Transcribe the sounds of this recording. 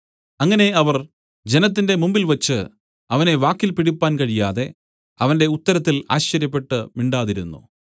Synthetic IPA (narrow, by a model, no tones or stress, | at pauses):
ɐŋːɐne̞ɐʋɐr | d͡ʑe̞nɐt̪̬ːinde̞mumbilʋɐt͡ɕːɨ | ɐʋɐne̞ʋaːkːilpiɽipːaːnkɐɻijaːðe̞ | ɐʋɐnde̞ut̪ːɐɾɐt̪̬ːila̰ːɕɐɾjɐpːe̞ʈːɨmiɳɖaːðiɾunːṵ